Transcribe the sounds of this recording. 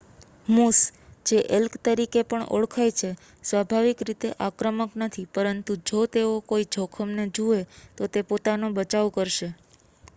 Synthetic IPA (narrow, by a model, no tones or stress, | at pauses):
musd͡ʒeʔelkt̪əɾikepəɳo̰ɭkʰajt͡ʃʰe | sʋabʱaʋikɾit̪eʔakɾəməknət̪ʰipəɾənt̪ud͡ʒot̪eokoid͡ʒʱokʰəmned͡ʒuet̪ot̪epot̪anobət͡ʃaʋkəɾʃe